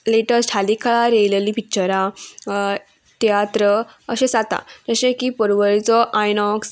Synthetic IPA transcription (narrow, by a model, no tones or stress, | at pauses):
leʈəsʈʰalikʰaɭaɾejleliːpit͡ɕəɾa | t̪eat̪ɾə | əɕẽsat̪a̰d͡ʑəɕẽkipəɾʋəɾit͡sɔʔajnɔks